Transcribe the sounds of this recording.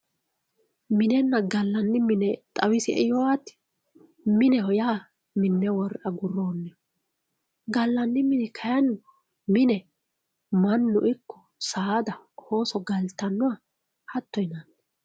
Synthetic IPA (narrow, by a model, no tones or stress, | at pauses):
mɪnɛnːɐɡɐlːɐnːɪmɪnɛt̪ʼɐwɪsɪʔɛjɔwat̪ːɪ̥ | mɪnɛhɔjaː | mɪnːɛwɔɾʔɐɡʊrːo̞ːnːɛ | ɡɐlːɐnːɪmɪnɛkʰɐjɐn | mɪnɛ | mɐnːʊ̰ʔɪkːɔ̥ | saːd̪ɐhoːsɔɡɐlt̪ɐnːɔa | hɐt̪ːɔjɪnanːɛ